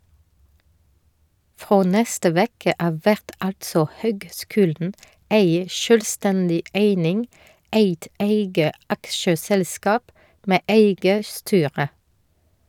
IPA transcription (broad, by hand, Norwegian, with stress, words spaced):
ˈfʁoː ˈnɛstə ˈʋeːkə ˈɑːʋ ˈʋæʁt ˈɑltsɔ ˈhøːɡˌskʉːldn̩ ˈeɪ ˈʃøːlˌstændɪ ˈæɪnɪŋ ˈæɪt ˈæɪɡə ˈɑkʃəsɛlˌskɑːp ˈmeː ˈʔæɪɡə ˈstyːʁə